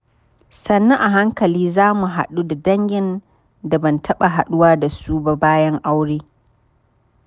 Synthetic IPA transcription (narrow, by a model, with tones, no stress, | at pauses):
sɐ˨nːɐ˦ʔa˨ɦa˦ŋkɐ˨liː˦zaː˦mu˨ɦa̰˨ɗu˦da˨dɐ˦ŋɡʲɪ˨n | da˨bɐ˨ntʰɐ˦ɓa˨ɦa˨ɗʊ˦waː˦da˨su˦ba˨baː˦jɐ˦ŋʔa˦wɽeː˦